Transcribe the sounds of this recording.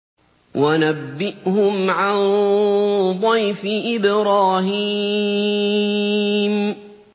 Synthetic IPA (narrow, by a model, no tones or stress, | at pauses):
wʔanabːɪʔhʊmʕan | d̪ˤɑjfɪʔɪbɾaːhiː | m